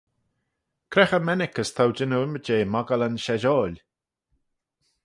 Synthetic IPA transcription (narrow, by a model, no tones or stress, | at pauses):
kʰɾɛxəmɛnɪkəst̪ʰawd͡ʒɪnuɪməd͡ʒeːmaɡələnʃɛʒɔːlʲ